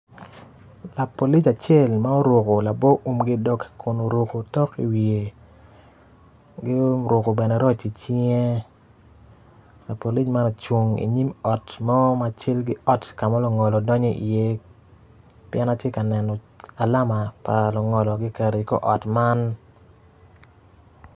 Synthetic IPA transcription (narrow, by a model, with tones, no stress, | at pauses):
la˨po˨li˦t͡ʃa˨t͡ʃje˦˨lma˦o˦ɾo˨ko˨la˨bɔ˦ʔu˨mɡɪ˦dɔ˦kkʰʊ˨no˨ɾo˨ko˨tɔ˦ki˨wie˨ | ɡɪ˦o˦ɾʊ˨ko˨bɛ˨nɛ˨ɾɔ˦t͡ʃi˨t͡ʃi˦ŋe˦ | la˨po˨li˦t͡ʃma˦no˨t͡ʃwo˨ŋḭ˨ɲi˦mɔ˨tmɔ˦ma˨t͡ʃɪ˦lɡɪ˦ʔɔ˦tka˨mɔ˦lo˨ŋɔ˨lɔ˨dɔ˦ɲɔ˦ʔḭ˨je˦ | pjɛ˦na˦tje˦ka˨nɛ˨nɔ˨ | a˨la˦ma˨pa˨lɔ˨ŋɔ˨lɔ˨ɡɪ˦kɛ˨ɾe˨kɔ̰˦ʔɔ˨tma˦n